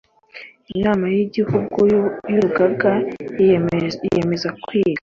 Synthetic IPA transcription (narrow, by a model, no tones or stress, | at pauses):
inaːmajiɟihuɡujuɾuɡaɡa | ḭjeme̞zakwiːɾa